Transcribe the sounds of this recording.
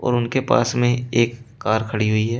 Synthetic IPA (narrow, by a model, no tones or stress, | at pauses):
ɔ̰ːɾʊnkepa̰ːsmẽeːkːaːɾkʰɐɽiɦʊiɦɛː